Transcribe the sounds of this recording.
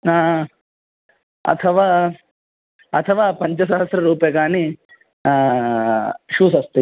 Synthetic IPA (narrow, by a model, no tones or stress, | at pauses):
naː | ɐ̰t̪ʰɐʋaː | ɐt̪ʰɐʋaːpɐɲt͡ʃɐsɐɦɐsɾɐɾuːpjekaːni | a | ʃuːsɐst̪e